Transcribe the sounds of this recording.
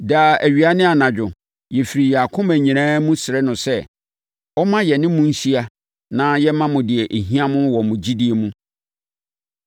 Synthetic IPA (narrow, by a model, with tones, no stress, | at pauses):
daː˨æ˨ɥi˨a˦nɪ̃˦a˨nã˨d͡ʑᶣʊ˨ | jɛ˨fi˨ɾi˨jɛ˨a˨kʰʊ̃˦mæ̃˨ɲĩ˨ɾãː˦mũ˦sɪ˨ɾɛ˦nʊ̃˨sɛ˦ | ɔ˦mã˦jɛ˨nɪ̃˦mũ˦n̩˦si˦a˦ | nã˦jɛ˦mã˦mʊ̃˨dɪ˨ɛ˨ʔe˨ɦĩ˦ã˦mʊ̃˦wɔ˨mʊ̃˨d͡ʑi˦di˦e˨mũ˦